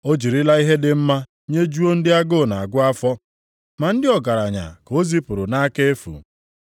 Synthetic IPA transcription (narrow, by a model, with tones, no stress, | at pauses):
o˦d͡ʒi˨ɾi˦la˦i˦ɦe˦dɪ˨m̩˦ma˦ | ɲe˦d͡ʒu˦o˦n̩˦dɪ˦a˦ɡo˦˨na˨a˨ɡʷʊ˦a˦fɔ˦ | ma˨n̩˦dɪ˦ɔ˨ɡa˨ɾa˨ɲa̰˨ko˦zi˦pʊ˨ɾʊ˨na˦ke˦e˦fṵ˨